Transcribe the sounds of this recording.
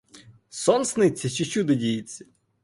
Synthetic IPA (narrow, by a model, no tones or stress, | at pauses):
sɔnsnɪt͡sʲːɐt͡ʃit͡ʃud̪ɐdʲijit͡sʲːɐ̥